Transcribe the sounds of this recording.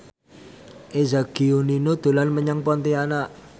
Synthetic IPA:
ʔezaɡ̥ioninod̪̥o̤lanməɲaŋpɔnt̪ianaʔ

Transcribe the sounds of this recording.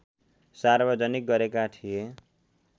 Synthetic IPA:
sarbʌd͡zʌnik̚ɡʌɾekaʈʰije

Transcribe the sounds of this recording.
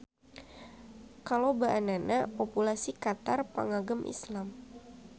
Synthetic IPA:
kalowbaʔananapopulasikat̪arpə̰ŋaɡəmʔḭslam

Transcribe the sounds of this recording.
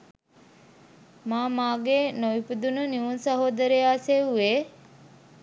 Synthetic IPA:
maːmaːɡeːnoʋipud̪unəniʋunsɐɦoːd̪əɾejaːseuʋeː

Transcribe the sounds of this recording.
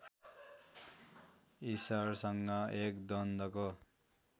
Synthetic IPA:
isʌrsʌŋɡʌekd̪ʌnd̪ʌko

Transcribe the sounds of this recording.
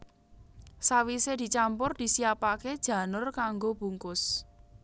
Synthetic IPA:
sawised̪̥i̤t͡ʃampʊrd̪̥i̤siapaked̥ʒ̥ä̤nʊrkaŋɡob̥uŋkʊs

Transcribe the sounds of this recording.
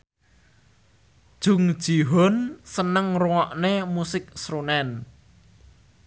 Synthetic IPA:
d̥ʒ̥ʊ̤ŋ̥ʒ̥i̤ɦonsənəŋruŋɔʔnemusɪk̚sɾunɛn

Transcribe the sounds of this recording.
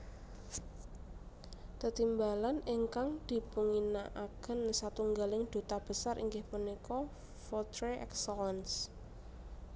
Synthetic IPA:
t̪ət̪imbalaniŋkaŋd̪̥i̤puŋinaʔakənsat̪uŋɡalɪŋd̪̥o̤t̪ab̥ə̤saɾʔḭŋɡɪhpənikɔ | fɔt̪ɾeʔɛ̰ksəlɛns

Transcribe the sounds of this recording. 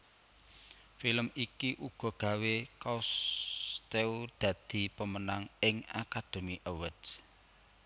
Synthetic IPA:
filəmikiʔuɡ̥ɔ̤ɡ̥ä̤wekast̪eud̪̥ä̤d̪̥i̤pəmənaŋɪŋa̰kad̪̥o̤miʔəwəd

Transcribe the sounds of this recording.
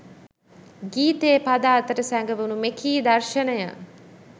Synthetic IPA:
ɡiːt̪eːpad̪aːt̪əɾəsæŋɡəʋunumekʰiːd̪ɐɾʃənəjə̰

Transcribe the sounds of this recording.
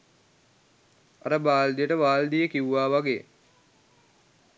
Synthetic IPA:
a̰ɾəbaːld̪ijəʈəʋaːld̪ijəkiʋuʋaːʋaɡeː

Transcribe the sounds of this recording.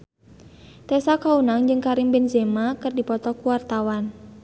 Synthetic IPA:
t̪ɛsakaunaŋd͡ʒɨŋkaɾimbɛnzɛmakɨrdipɔt̪ɔkuwart̪awan

